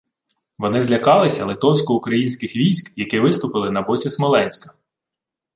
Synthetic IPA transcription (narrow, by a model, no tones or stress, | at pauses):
ʋɔnɪzlʲɐkɑlˠɪsʲɐlˠɪt̪ɔwsʲkɔukɾɐjinʲsʲkɪxʋʲijsʲkjɐkɪʋɪst̪ʊpɪlˠɪnɐbɔsʲismɔlˠɛnʲsʲkɐ̥